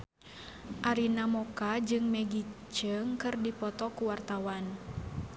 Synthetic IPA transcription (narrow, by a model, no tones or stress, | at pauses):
ʔaɾinamɔkad͡ʒɨŋmɛɡi | t͡ʃəŋkɨrdipɔt̪ɔkuwart̪awan